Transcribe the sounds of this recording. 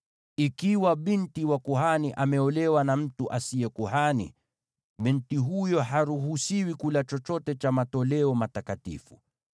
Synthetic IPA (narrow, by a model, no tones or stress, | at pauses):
ikiwaɓintiwakuɦaniʔamɛɔlɛwanam̩tuʔasiɛkuɦanḭ | ɓintiɦujɔɦaɾuɦusiwikulat͡ʃɔt͡ʃɔtɛt͡ʃamatɔlɛɔmatakatḭfṵ